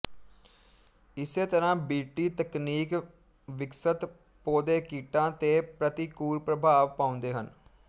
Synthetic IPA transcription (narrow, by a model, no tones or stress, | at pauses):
ɪseːt̪əɾãːbiːʈiːt̪əkniːk | ʋɪksət̪ | poːd̪eːkiːʈãːt̪eːpɾət̪ikuːɾpɾəbʱaːʋpãːʊ̃nd̪eːɦən